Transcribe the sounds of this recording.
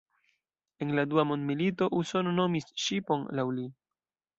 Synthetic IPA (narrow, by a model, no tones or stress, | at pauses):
e̞nladuamo̞ndmilito̞ʔuso̞no̞no̞misʃipo̞nlawli